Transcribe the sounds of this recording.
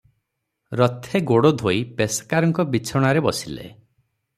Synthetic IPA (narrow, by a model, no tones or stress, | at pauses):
ɾɔt̪ʰeɡoɽod̪ʱoipeskaɾɔŋkɔbit͡ʃʰɔɽ̃aɾebɔ̰silḛ